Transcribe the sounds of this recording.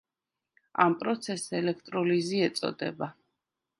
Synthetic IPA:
a̰mpʼɾɔt̪sʰɛsːɛlɛk̚ʰt̪ʼɾɔliziɛt̪sʼɔ̰d̪ɛ̰ba

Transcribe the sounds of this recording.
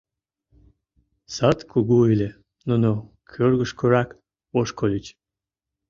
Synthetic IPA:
sɑt̪kʰuɣuilʲe | nuno | kʰørɣəʃkoɾɑk | oʃkolʲət͡ɕ

